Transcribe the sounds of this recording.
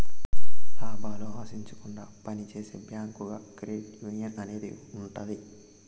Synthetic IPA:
laːbaːloːʋaːsiɲt͡ʃu̥kuɳɖaːpɐnit͡ʃeːseːbjaːŋkuɡɐkɾeːʈjuːnijɐnɐne̞ːd̪ḭ | uɳʈɐd̪i

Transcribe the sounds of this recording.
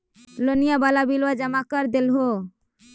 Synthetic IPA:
lonijabalabilwad͡ʒəmakəɾd̪elɦo

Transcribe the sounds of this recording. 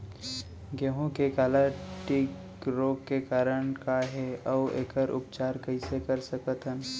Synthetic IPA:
ɡeɦõkekaːlaʈɪk | ɾoːkːekaːɾənkaɦɛɔʋḛːkəɾʔʊ̰pt͡ʃaːɾkəɪ̃sekəɾsəkət̪ən

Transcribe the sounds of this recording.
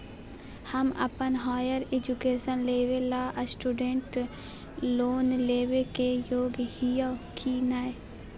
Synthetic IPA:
hɐmɐ̰pənɦaːjəɾed͡ʒukeːsənleːʋelaːʔsʈuɖẽɳʈ | loːnleːʋekejoːɡhijakʰinaːe

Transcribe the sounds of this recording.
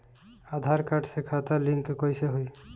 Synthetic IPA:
ad̪ʱaɾkaɖsekʰat̪aliŋkkɔjseɦoj

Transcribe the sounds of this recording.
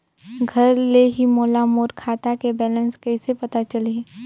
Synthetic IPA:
ɡʱɐɾleɦimoːlamoːɾkʰaːt̪akebɛːlə̃nskɛɪsepɐt̪at͡ʃɐle

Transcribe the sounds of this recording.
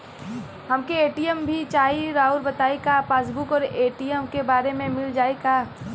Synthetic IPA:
hɐmkeeːʈijəmbʱit͡ʃaːiɾaːuɾbɐt̪aːikaːpaːs̬bʊkɔːɾeːʈijəmkebaːɾemẽmɪld͡ʒaːikaː

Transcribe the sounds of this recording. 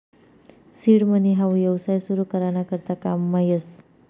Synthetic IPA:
siɽməniɦawjʌwsajsuɾukəɾanakəɾt̪akamːajes

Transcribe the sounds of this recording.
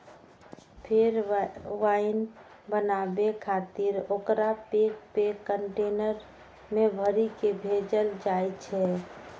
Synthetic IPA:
pʰeɾʋaɪn | bənabekʰat̪iɾokɾapek̚pekːəɳʈenəɾ | mebʱəɾikebʱed͡ʒəld͡ʒajt͡ʃʰɛ

